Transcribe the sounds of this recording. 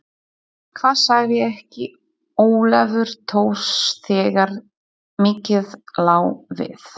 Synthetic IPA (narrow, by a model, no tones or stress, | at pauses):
kʰvaːðsaɣvɪɛhcɪ | oːwlɛvʏɾ̥t̪ʰoːwst̪ʰɛːɣaɾ | mɪːcɪðlaːwvɪ̰θ